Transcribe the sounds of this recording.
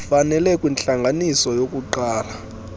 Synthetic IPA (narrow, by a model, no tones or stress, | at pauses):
fanɛlɛkʼwint͡ɬaŋɡʱanisɔjokʼuǃaːla